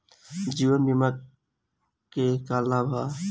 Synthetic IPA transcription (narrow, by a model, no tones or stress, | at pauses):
d͡ʒiːʋənbimak | kekaːlaːbʱaː